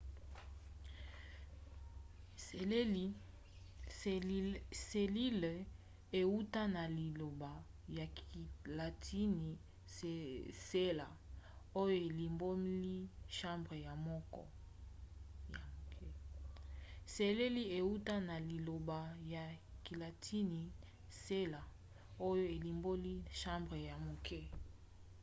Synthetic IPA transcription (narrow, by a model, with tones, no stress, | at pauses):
e˨l | se˨li˦l | e˨u˦ta˦na˨li˨lo˨ba˨ | ja˨la˨tʰi˦ni˨ | se˦la˨o˦jo˦˨e˨li˨mbo˦mi˦li˦ʃã˦mbʁe˨ja˨mɔ˦kɔ̰˦ | ja˨kɛ˦ | se˨le˦li˦e˨u˦ta˦na˨li˨lo˨ba˨ja˨ki˨la˨tʰi˦ni˨ | se˦la˨ | o˦jo˦e˨li˨mbo˦li˦ʃã˦mbʁe˨ja˨mo˨kɛ˦